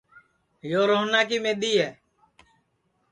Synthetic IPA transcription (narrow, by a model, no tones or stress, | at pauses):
joːɾoːnaːk̬iːmẽːɗ̪iːɦɛː